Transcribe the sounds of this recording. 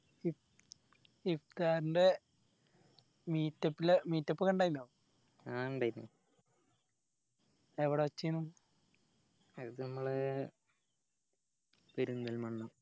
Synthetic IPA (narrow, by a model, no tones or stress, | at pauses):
i | ift̪aːɾinde | miːtːɐpːilemiːtːɐpːɨkɐɳɖaːjinːa | aɐɳɖaːjnnːu | eʋiɽeʋɐt͡ɕːijnːum | ɐðɨnɐmːɐɭe | peɾunːɐlmɐɳːɐm